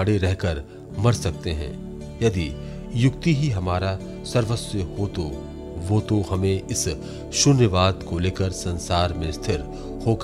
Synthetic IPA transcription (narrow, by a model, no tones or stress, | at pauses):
ɽeɾɛɦkəɾ | mɐɾsɐk̚t̪eɦɛ̰̃ː | jɐd̪i | jʊkt̪iɦiɦɐmaːɾa | sɐɾʋəsəɦot̪o | ʋoːt̪ohɐmẽɪs | ʃʊnjəʋaːd̪koleːkəɾsɐ̃nsaːɾmẽst̪ʰɪɾ | xoːk